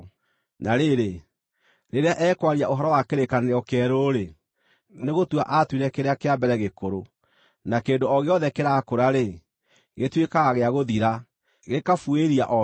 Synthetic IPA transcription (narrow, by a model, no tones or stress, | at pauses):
naɾeɾe | ɾeɾeaʔɛːkwaɾiaoɦɔɾɔwakeɾekaneɾeɔkɛɾoɾe | neɣotwaʔatwiɾɛkeɾeakeambɛɾɛɣekoɾo | nakeːndoɔɣeɔðɛkeɾakoɾaɾe | ɣetwekaɣeaɣoðiɾa | ɣekafueɾiaʔɔ